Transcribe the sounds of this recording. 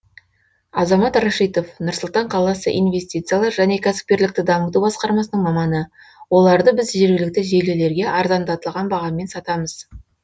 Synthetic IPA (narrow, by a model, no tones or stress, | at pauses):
ɑzɑmɑt̪raʃijt̪o̞fnʊɾsəlˠt̪ɑɴqʰɑlˠɑsə̰ʔijnve̞st̪ʲijt̪sɨjalˠɑɾʒæne̞kʲʰæsɪ̥p̚kʲe̞ɾlɪk̚t̪ɪd̪ɑmət̪ubɑsqɑɾmɑsənəɴmɑmɑnə | wo̞lˠɑɾd̪əbɪzʒe̞ɾɡʲɪlɪk̚t̪ɪʒelele̞ɾɡʲe̞ʔɑɾd̪ɑnd̪ɑt̪əlˠʁɑnbɑʁɑme̞nsɑt̪ɑməz